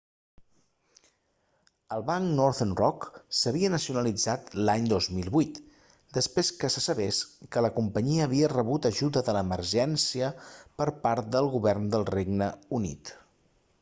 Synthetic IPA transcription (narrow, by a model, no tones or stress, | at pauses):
əlˠβaŋknɔɾθənrɔksəβiənəsiunəlid͡zat̪laɲd̪ozmilˠβut̪ | d̪əspɾeskəsəsəβeskələkumpəɲiəːβiərəβut̪əʒuðəðələməɾʒɛnsiəpəɾpaɾt̪̚d̪əlˠɣuβɛrnd̪əlˠreɡnəunḭt̪